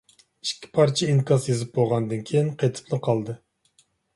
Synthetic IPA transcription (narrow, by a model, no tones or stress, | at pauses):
iʃkʲʰːi̥pʰɑɾt͡ʃʰɛinkʰɑsjezɨp̚boʁɑnd̪ɨnkʲʰejinqʰet̪ʰɨ̥plˠɨqʰɑlˠd̪ɨ